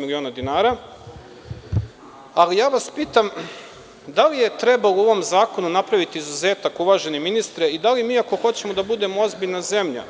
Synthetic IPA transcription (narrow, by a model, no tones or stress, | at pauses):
milio̞ːnad̪inaːɾa | alijaːʋaspiːt̪am | d̪alije̞t̪ɾe̞bauo̞ʋo̞mzaːko̞nunapɾaʋit̪iːzuze̞ːt̪akuʋaːʒe̞neminist̪ɾeid̪alimiːako̞xo̞t͡ɕe̞mo̞d̪abud̪e̞moo̞zbiʎnaze̞mʎa̰